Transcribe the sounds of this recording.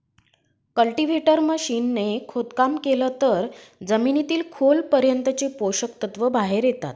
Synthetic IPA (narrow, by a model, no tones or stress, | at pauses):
kəlʈiʋeʈəɾməɕiːnːekʰot̪kamkelət̪əɾd͡zəminit̪iːlkʰolpəɾjənt̪ət͡ɕepoɕək̚t̪ət̪ʋəbʱaɦeɾjet̪a̰t̪